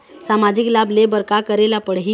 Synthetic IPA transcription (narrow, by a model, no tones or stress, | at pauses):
samad͡ʑiklablebəɾkakəɾelapəɽɦi